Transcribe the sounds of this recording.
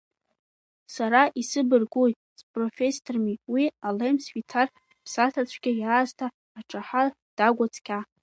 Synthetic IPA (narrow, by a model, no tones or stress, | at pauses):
saɾaʔisɨbɨrɡoj | spʼrofʲe̞sːormiwialemswitʰar | pʰsatʰat͡ɕʷʰɡʲɪjaːztʰaː | ʈ͡ʂʼaħa | d̥aɡʷat͡sʰʼkʲʰa